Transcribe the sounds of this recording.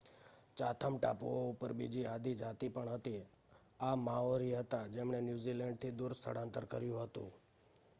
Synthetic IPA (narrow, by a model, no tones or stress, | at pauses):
t͡ʃat̪ʰəmʈa̰pooupəɾbḭd͡ʒiad̪id͡ʒat̪ipəɳɦət̪i | amaoɾiɦət̪ad͡ʒemɳenjuzilɛɳɖ̚t̪ʰid̪uɾst̪ʰə̰ɽãnt̪əɾkəɾjũɦət̪ṵ̃